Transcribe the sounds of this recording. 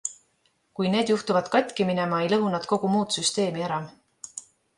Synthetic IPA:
kujne̞ːd̪juht̪uvɑd̪̥kɑt̪ʲkimine̞mɑe̞jlɤɦunɑd̪̥ko̞ɡ̥umuːt̪syst̪e̞ːmieɾɑ

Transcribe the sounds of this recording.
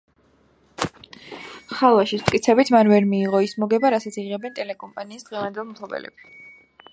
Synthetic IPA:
χalˠvaʃismt̪ʼkʼit̪sʰɛbit̪ʰmanvɛɾmiːʁɔismɔɡɛbaɾasat̪sʰiʁɛbɛnt̪ʼɛlɛkʼɔmpʼaniːsd̪ʁɛvand̪ɛlˠmt̪ʰlˠɔbɛ̰lɛ̰bi̥

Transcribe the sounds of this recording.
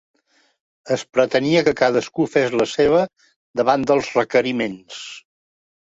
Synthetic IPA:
əspɾət̪əniəkəkaðəskufezləseβ̞ə | d̪əβand̪əlˠzrəkəɾimens

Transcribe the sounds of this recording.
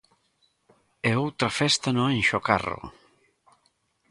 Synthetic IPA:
eowt̪ɾɐfɛst̪anoenʃoka̰ro̰

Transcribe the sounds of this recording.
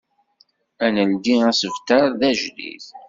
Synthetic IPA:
ænənd̪iæsəvt̪əɾˤðæʒlḭθ

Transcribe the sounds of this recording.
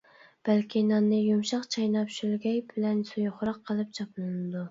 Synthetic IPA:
b̥ælkʲinɑnːɨjumʃɑqt͡ʃʰɑjnɑpʃylɡʲɛjbɪlɛnsujχʊɾɑqʰːəlˠɨp̚t͡ʃʰɑplˠɨnɨd̪u

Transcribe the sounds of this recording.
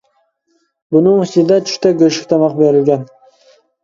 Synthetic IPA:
bʊnʊŋɪsɪd̪at͡ʃʰʊ̥ʃt̪aɡʲøʃɪ̥kʲt̪ʰɑmɑqbeɾɪlɡʲæn

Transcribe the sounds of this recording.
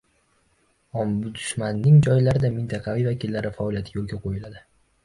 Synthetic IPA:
ɒmbʊd̪ʊ̥ʃmanːɪŋd͡ʒɒjlaɾɪd̪amɪnt̪ʰɑqʰɑvijvakʲilːaɾɪfaɒlˠijat̪ʰɪ̥jolˠɡʲaqʰojɪlad̪ɪ

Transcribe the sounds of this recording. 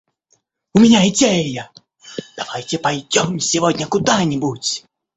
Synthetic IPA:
ʊmʲɪnʲaɪdʲejjə | d̪̥ɐvajtʲɪpɐjdʲomsʲɪvodʲnʲəkʊd̪anʲɪbutʲ

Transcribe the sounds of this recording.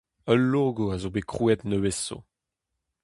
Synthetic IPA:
œlːoɡoazobekχuɛt̪nəweso̰

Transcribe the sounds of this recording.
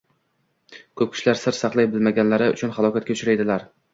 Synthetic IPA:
kʰɵp̚kʰʲɪ̥ʃlaɾsɪɾsɑqlˠajbɪlmaɡʲanlaɾɪʊ̰t͡ʃʰʊnχɑlˠɒkʲat̪̚kʲaʊt͡ʃʰʊɾajd̪ɪlaɾ

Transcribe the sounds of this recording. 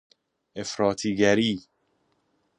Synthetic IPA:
efɾɔːt̪ʰiɡæɾi

